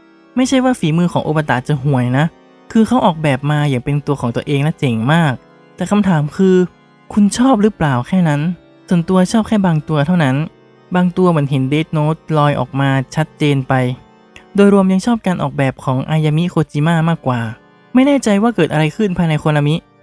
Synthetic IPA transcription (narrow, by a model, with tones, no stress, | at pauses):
ma˥˩jt͡ɕʰa˥˩jwaː˥˩fiː˩˦mɯː˧kʰɔː˩˦ʔo̰˨˧˩pːa˧t̪a̰˨˩ʔt͡ɕa˨˩ɦu˨˩əjna˦˥ʔ | kʰɯː˧kʰa˦˥wʔɔː˨˩k̚bɛː˨˩p̚maː˧ja˨˩ŋpe˧nt̪u˧ɐkʰɔː˩˦ŋt̪ɐʔeː˧ŋla˦˥t͡ɕe˨˩ŋmaː˥˩k̚ | t̪ɛː˨˩kʰa˧mt̪ʰaː˨˩˦mkʰɯː˧ | kʰu˧nt͡ɕʰɔː˥˩p̚ɾɯ˦˥plaː˨˩wkʰɛː˥˩na˦˥n | su˨˩ənt̪u˧ɐt͡ɕʰɔː˥˩p̚kʰɛː˥˩baː˧ŋt̪u˧ɐt̪ʰa˥˩wna˦˥n | baː˧ŋt̪u˧ɐmɯ˩˦ənɦe˩˦ndeː˦˥t̪̚noː˦˥t̪̚lɔː˧jʔɔ̰ː˨˩k̚maː˧t͡ɕʰa˦˥t̪̚t͡ɕeː˧npa˧j | doː˧jɾu˧əmja˧ŋt͡ɕʰɔː˥˩p̚kaː˧nʔɔ̰ː˨˩k̚bɛː˨˩p̚kʰɔː˩˦ŋʔaː˧jaː˧mi˦˥kʰoː˧t͡ɕiː˧maː˥˩maː˥˩kːwaː˨˩ | ma˥˩jnɛː˥˩t͡ɕa˧jwaː˥˩kɤː˨˩t̪ʔa˧ɾa˧jkʰɯ˥˩npʰaː˧jna˧jkʰo˧nʔa˧mi˦˥ʔ